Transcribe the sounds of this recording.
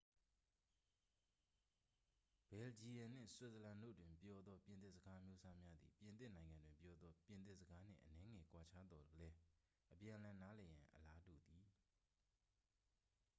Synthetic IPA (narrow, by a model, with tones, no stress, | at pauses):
b̥ɛ˨ld͡ʑi˨jã˨n̥ɪ̰̃˦˨swɛ˨zə˨lã˨no̰˦˨dwɪ̃˨mpjɔ˦d̪ðɔ˦pjɪ̃˨t̪ɪ˦˨zə˨ɡa˦mjo˦sʰa˦mja˦d̪ðḭ˨pjɪ̃˨nt̪̬ɪ˦ʔnã˨ɪ̃ŋã˨ndwɪ̃˨mpjɔ˦d̪ðɔ˦pjɪ̃˨nt̪̬ɪ˦ʔzəɡa˦n̥ɪ̰̃˦˨ʔənɛ˦ŋɛ˨kwa˨t͡ɕʰa˦d̪ɔ˨lɛ˦ | ʔəpjã˨əlã˨na˦lɛ˨jã˨ʔəla˦dṵ˨d̪i˨